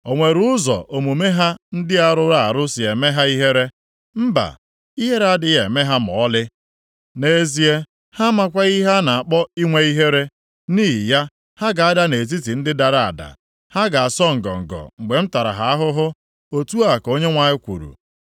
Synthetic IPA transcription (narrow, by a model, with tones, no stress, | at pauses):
o˨ŋʷe˨ɾʊ˦ʊ˦zɔ̰˨o˨mu˨me˦ɦa˦n̩˦dɪ˦a˦ɾʊ˦ɾa˦˨a˨ɾʊ˦si˨e˨me˦ɦa˦i˦ɦe˦ɾe˦ | m̩˦ba̰˨ | i˦ɦe˦ɾa˨dɪ˨je˨me˦ɦa˦mɔ˨˦lɪ˦ | ne˨˦zi˦e˦ | ha˦ma˦kʷa˦ɣi˦ɦa˦na˨a˨k͡pɔ˦i˦ŋʷe˦i˦ɦe˦ɾe˦ | niː˦˨ja˦ | ha˦ɡa˨a˦da˦ne˨zi˦ti˨n̩˦dɪ˦da˨ɾa˦˨a̰˨da̰˨ | ha˦ɡa˨a˨sɔ˦ŋ̩˨ɡɔ̰˨ŋ̩˨ɡɔ̰˨ŋ͡m̩˨ɡ͡be˨m̩˦ta˨ɾa̰˨ɦa˨a˦ɦʊ˦ɦʊ˦ | o˦tu˦a˦˨ko˦ɲe˦ŋʷa˨ɪ˦kʷṵ˨ɾṵ˨